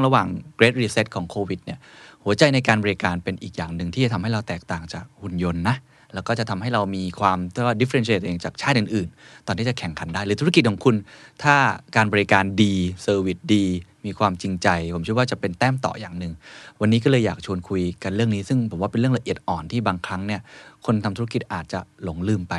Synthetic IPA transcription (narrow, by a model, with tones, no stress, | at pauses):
ɾa˧waː˨˩ŋkɾeː˦˥t̪̚ɾiː˧se˦˥t̪̚kʰɔː˩˦ŋkʰoː˧wi˨˩t̪̚ni˥˩hu˩˦ɐt͡ɕa˧jna˧jkaː˧nbɔː˧ɾi˧kaː˧npe˧nʔḭː˨˩k̚jaː˨˩ŋnɯ˨˩ŋt̪ʰiː˥˩t͡ɕa˨˩t̪ʰa˧mɦa˥˩jɾa˧wt̪ɛː˨˩k̚t̪aː˨˩ŋt͡ɕaː˨˩k̚hu˨˧˩njo˧nːa˦˥ʔ | lɛː˦˥wkɔː˥˩t͡ɕa˨˩t̪ʰa˧mɦa˥˩jɾa˧wmiː˧kʰwaː˧mt̪ʰɯ˥˩waː˥˩di˦˥fe˧nst͡ɕʰeː˧˩˧ʔeː˧ŋt͡ɕaː˨˩k̚t͡ɕʰaː˥˩t̪̚ʔɯː˨˩nʔɯː˨˩nt̪ɔː˨˩nt̪ʰiː˥˩a˩kʰɛ˨˩˦ŋkʰa˨˧˦ndaː˥˩jɾɯː˨˦t̪ʰu˦˥ki˨˩t̪̚kʰɔː˩˦ŋkʰu˧nt̪ʰaː˥˩kaː˧nbɔː˧ɾi˧kaː˧ndiː˧sɤː˧wi˨˩t̪̚diː˧miː˧kʰwaː˧mt͡ɕi˧ŋt͡ɕa˧jpʰo˩˦mʰt͡ɕi˦˥˩waː˥˩t͡ɕa˨˩pe˧nt̪ɛː˥˩mt̪ɔ̰ː˨˩ja̰ː˨˩ŋnɯ˨ŋwa˧nːiː˦˥kɔː˥˩lɤː˧jːaː˨˩k̚t͡ɕʰu˧ənkʰu˧jka˧nɾɯ˥˩əŋniː˦˥sɯ˥˩ŋpʰo˨˩˦waː˥˩pe˧nɾɯ˥˩əŋla˧ʔət̪̚ʔɔː˨˩nt̪ʰiː˥˩baː˧ŋkʰɾa˦˥ŋni˥˩ɐəkʰo˧nt̪ʰa˧mt̪ʰu˦˥˦a˥ki˨˩t̪̚ʔaː˨˩t̪̚t͡ɕa˨˩lo˩˦ŋlɯː˧˩mpa˧j